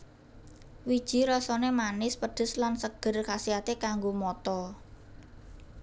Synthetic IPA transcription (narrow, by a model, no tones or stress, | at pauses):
wid̥ʒ̥i̤ɾɔsɔnemanɪspəɖ̥ə̤slansəɡ̥ə̤rkasiat̪ekaŋɡomɔt̪ɔ